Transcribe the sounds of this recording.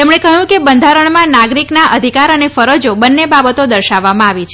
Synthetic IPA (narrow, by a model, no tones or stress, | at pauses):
t̪emɳekəjũkebənd̪ʱaɾəɳmãnaɡɾiknaʔəd̪ʱikaɾənefəɾəd͡ʒobənːebabət̪od̪əɾʃaʋːamãaʋit͡ʃʰ